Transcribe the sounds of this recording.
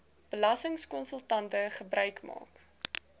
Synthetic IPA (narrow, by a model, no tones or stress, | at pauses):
b̥əlɐsəŋskɔnsəlˠtɐntəχəbrœɥkmɑ̰ːk